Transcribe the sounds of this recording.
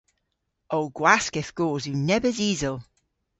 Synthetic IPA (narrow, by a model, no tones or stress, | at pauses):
owɡ̥waskɪθɡ̥oːzʉnɛbəziːzəlˠ